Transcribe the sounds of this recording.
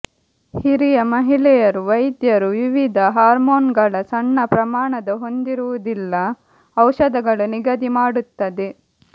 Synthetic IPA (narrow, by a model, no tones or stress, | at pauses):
hiɾijɐmɐɦilɛjɐɾuʋɐjd̪jɐɾuʋiʋid̪ʱɐɦaːɾmoːnɡɐɭɐsɐɳːɐpɾɐmaːɳɐd̪ɐɦo̞nd̪iɾuʋud̪ilːɐ | ɐwʃɐd̪ɐɡɐɭuniɡɐd̪imaːɽut̪ːɐd̪e